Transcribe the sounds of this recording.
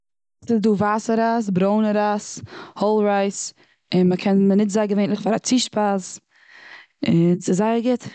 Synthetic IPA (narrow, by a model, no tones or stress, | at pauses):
sɪzduːvaːsəɾas̬bɾoʊnəɾashɔlˠɾaɪs | ɪnməkʰɛnənɪtzaɪɡəveɪntlɪχfaɾat͡siʃpas | ɪnsɪzaɪəɾɡɪt